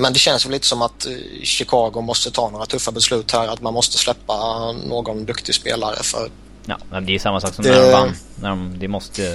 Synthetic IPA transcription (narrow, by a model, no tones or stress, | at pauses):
mɛnd̪ɛɕɛnsvɛliːt̪ə̥sɔmat̪ɕɪkʰɑːɡʊmɔst̪ət̪ʰɑːnoːɾat̪ʰɵfːabɛslʉ̟ːt̪hæɾat̪manmɔst̪əslɛpːanoːɡɔnd̪ɵkt̪ɪɡspḛːlaɾə̰fœ̰ɾ | ɑ̰ːd̪ɛsamːasɑːksɔmd̪ɛa | næɖɔmd̪ɛmɔst̪ə